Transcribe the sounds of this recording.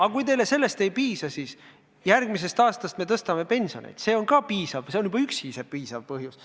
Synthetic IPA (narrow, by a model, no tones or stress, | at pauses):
ɑkujt̪e̞jle̞se̞lːe̞st̪e̞jpiːsɑsiːs | jærɡmis̬e̞st̪ɑːst̪ɑst̪̚me̞t̪ɤst̪ɑme̞pe̞nso̞̰nḛjd̪se̞ːo̞nkɑpiːsɑvse̞onjub̥ɑyksisepiːsɑvpɤɦjus